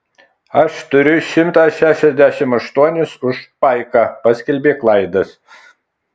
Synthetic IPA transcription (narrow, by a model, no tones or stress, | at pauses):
ɐʃt̪ʊɾʲʊʃʲɪmt̪ɑːʃʲæːʃʲɛzʲd̪ʲæʃʲɪmɐʃt̪uɔnʲɪsʊʃpɐɪkɑpɐsʲkʲɛlʲbʲeːklˠɐɪd̪ɐs